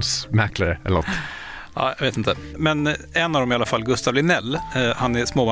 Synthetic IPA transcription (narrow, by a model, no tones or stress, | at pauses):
smæɾkləɾəɛ̰la̰t̪ːʔɑ̰ːjaɡʋeːt̪ɪnt̪əmɛnɛnːɑvd̪ɔmɪalːafalːɡɵst̪ɑːvlɪnɛlːhɑnæsmoːa